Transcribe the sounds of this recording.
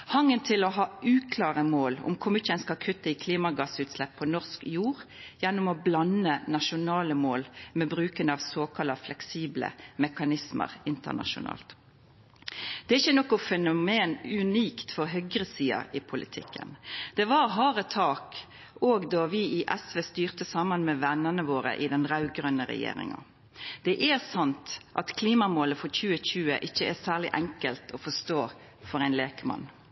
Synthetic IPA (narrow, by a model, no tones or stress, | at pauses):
hɑŋːənt̪ʰɪlɔɦɑːʉːkʰlɑːʁəmoːlʊ̰mkʰʊmɪːəɛnskɑlkʰʉt̪ːəɪkʰliːmɑɡɑsʉːt̪slɛpʰːɔnɔʁskjuːʁjɛnːʊmɔblɑnənɑʃʊnɑːləmoːlmɛbɾʉːkənɑʋsoːkʰɑlɑflɛksiːblə̰mɛkɑnɪsmə̰ʁɪnt̪ə̰nɑ̰ʃʊ̰nɑ̰ːlt̪ | d̪̥ɛæɾɪçːənɔkʊfɛnʊmeːnʉniːkt̪fɔɾɦœɡɾəsiːɑ̰ɪpʰʊlʔɪt̪ʰɪkːə̰nd̪̥ɛʋɑɾɦɑːɾət̪ʰɑːk | oːɡd̪ɑʋɪɪʔɛsʋeːst̪yːʁt̪əsɑmənmɛʋɛnːənəʋoːɾə̰ʔɪd̪ɛnʁɑʉɡʁœnəɾɛ̰jḛːɾɪ̰ŋɑ̰ | d̪̥ɛʔɛsɑnt̪ʔɑt̪kʰliːmɑmoːləfɔçʉːəçʉːəʔɪçːəɛsæːʁlɪʔɛŋkəlt̪ʰɔfɔst̪oː | fɔɾæɪnleːkəmɑ̰n